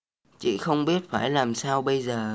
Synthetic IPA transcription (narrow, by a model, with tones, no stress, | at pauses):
t͡ɕḭ˧˨xə˧wŋ͡mɓi˦˥ət̚faː˧˩jlaː˨˩msaː˧wɓə˧jzəː˨˩